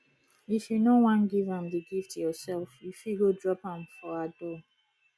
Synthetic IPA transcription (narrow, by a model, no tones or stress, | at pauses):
ifjunowãnɡivãmðəɡiftjɔsɛlˠfjufiɡodɹɔpãmfɔadɔ